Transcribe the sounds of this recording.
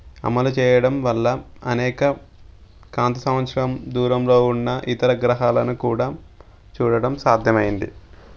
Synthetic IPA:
ɐ̰mɐlut͡ʃɛːjɐɽɐmʋɐlːɐɐ̰nɛːkɐ | kaːnt̪ɐsɐmʋɐt̪sɾɐmd̪uːɾɐmlo̞ːunːɐʔit̪ɐɾɐɡɾɐɦaːlɐnukuːɽaː | t͡ʃuːɽɐɽɐmsaːd̪ʱjɐmɐjind̪i

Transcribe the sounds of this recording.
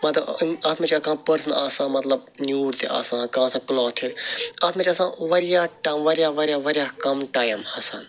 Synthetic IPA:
mɐt̪aːt̪ʰmẽt͡ʃakãːpəɾsəna̰ːsãːmɐt̪ləb̚njuːɾt̪ḛa̰ːsãːkãːsãːkloːt̪ʰiɾaːt̪ʰmet͡ʃasãːʋɐɾjaːʈaʋɐɾjaːʋɐɾjaːʋɐɾjaːkɐmʈaːjmhɐsɐn

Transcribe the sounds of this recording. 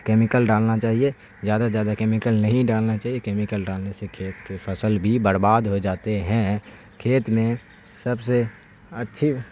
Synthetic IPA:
keːmɪkəlɖaːlnat͡ʃaːɦie | zjaːd̪azjaːd̪akeːmɪkəlnɐɦĩɖaːlnat͡ʃaːɦiekeːmɪkəlɖaːlnesekʰeːt̪kefʰəsəlbʱibəɾbaːd̪ɦod͡ʒaːt̪eɦɛ̃ | kʰeːt̪mẽ | səbse | ətːʃʰi

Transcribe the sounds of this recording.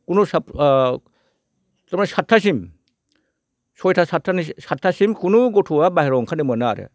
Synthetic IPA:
kunusap | tɯmnasatʰːasim | sɔjtʰasatʰːanisatʰːasimkunuɡɔtʰuwabaɦiɾɔŋkʰanɯmɯnaɾɯ̰

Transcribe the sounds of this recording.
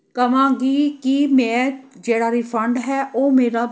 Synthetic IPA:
kəʋãːɡiːkimɛ̃ːd͡ʒeːɽaːɾiːfʰəɳɖɦɛːʔoːmeːɾaː

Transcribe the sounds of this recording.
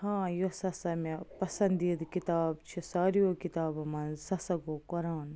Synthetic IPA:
hãːjosɐsɐmepɐsɐnd̪id̪kit̪aːbt͡ʃʰisaːɾijokit̪aːbɐmɐnsɐsɐɡoːkɐɾaːn

